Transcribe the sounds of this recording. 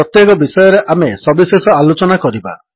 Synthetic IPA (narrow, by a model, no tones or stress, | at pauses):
ɔt̪jekɔbisɔjɔɾeʔamesɔbisesɔalot͡ʃɔnakɔɾiba̰